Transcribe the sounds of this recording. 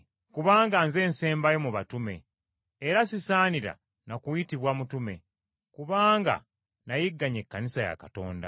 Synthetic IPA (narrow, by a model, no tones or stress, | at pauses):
kuβaːŋɡanze̞ːnse̞ːmbajomuβatume̞̰ː | ɾasisaːniɾa̰ | nakujitiβwamutume̞̰ | kuβaːŋɡa̰ | najiɡːaɲe̞kːanisaja̰kato̞̰ːnda̰